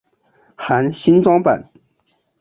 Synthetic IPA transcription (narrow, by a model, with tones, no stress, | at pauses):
xa˧˥nɕi˥nʈ͡ʂwɑ˥ŋpa̰˨˩˦n